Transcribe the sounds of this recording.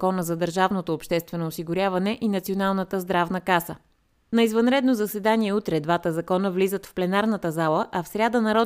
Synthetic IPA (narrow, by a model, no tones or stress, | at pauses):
kɔnəzɐd̪əɾʒavnot̪oːpʃt̪ɛst̪vɛnoːsiɡʊɾʲjavɐnɛʔinɐt̪sionalˠnət̪əzd̪ɾavnəkasə | nɐizvɐnɾɛd̪nozɐsɛd̪aniɛut̪ɾɛd̪vat̪əzɐkɔnəvlizət̪fplɛnaɾnət̪əzalˠəʔɐfsɾʲad̪ənɐɾɔ